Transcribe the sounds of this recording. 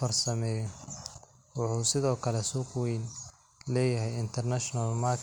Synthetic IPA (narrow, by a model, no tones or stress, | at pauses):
fɐrsɐmɛːjɔ | wʊħuːsɪðɔːkʰɐlɛsuqwɛjn | lɛːjɐɦɛjɪnt̪ʰɛrnaʃnɐlmakʰ